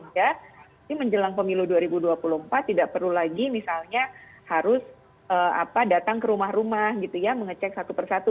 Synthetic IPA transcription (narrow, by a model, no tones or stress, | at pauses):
d͡ʒa | diməɲd͡ʒəlaŋpəmiluduaɾibuduapuluhəmpat̪ːidaʔpərlulaɡimisalɲahaɾʊs | ʔəːa̰padat̪aŋkəɾumahɾumahɡit̪ujaməŋət͡ʃɛk̚sat̪upərsat̪u